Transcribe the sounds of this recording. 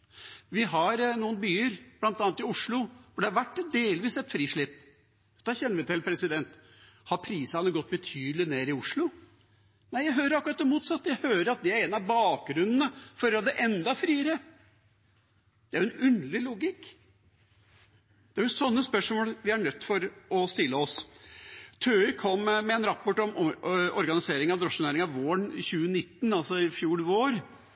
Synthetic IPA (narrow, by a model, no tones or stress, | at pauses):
ʋɪɦɑɾnuːənbyːəɾb̥lɑnt̪ɑːnt̪ɪʊʂɭʊfɔɖɛhɑɾʋæʈːd̪eːlʋiːsɛt̪fɾiːʂɭɪp̪ː | d̪̥ɑçɛnːɾʋɪt̪ɪlpʰɾɛsɪd̪ɛnt̪ | hɑɾpʰɾiːsɑnəɡɔt̪̚ːbət̪ʰyːd̪əlɪneːɾɪʊʂɭʊ | næɪjæɪɦøːɾəɾɑkːʉɾɑt̪d̪ɛmuːt̪sɑt̪ːjæɪhøːɾəɾɑt̪̚d̪ɛæɾeːnɑʋbɑːk̚ɡɾʉnn̩əfɔɾɑd̪ɛʔɛnd̪ɑfɾiːəɾə | d̪̥ɛæɾʊɛnʉnlɪluːɡɪkː | d̪ɛæɾjʊsɔnːəspœʂmoːlʋɪæɳœt̪ːfɔɾɔst̪ɪlːəɔs | t̪ʰøːʏkʰɔmːmɛɛnɾɑpːɔʈɔmɔɾɡɑnɪseːɾɪŋɑʋd̪ɾɔʂnæːɾɪŋɑʋʋoːɳɪ̰çʉːənɪt̪ːnɑlsɔɪfjuːlʋoːɾ